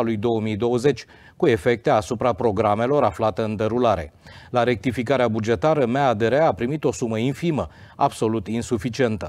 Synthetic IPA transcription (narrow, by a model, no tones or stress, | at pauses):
alujd̪o̞wəmijd̪o̞wəze̞t͡ʃʲ | kue̞fe̞k̚t̪e̞asupɾapɾo̞ɡɾame̞lo̞ɾaflat̪əɨnd̪əɾulaɾe̞̰laɾe̞k̚t̪ifikaɾeabud͡ʒe̞t̪aɾəmead̪eɾeapɾimit̪o̞suməinfimə | a̰bso̞lut̪insufit͡ʃie̞nt̪ə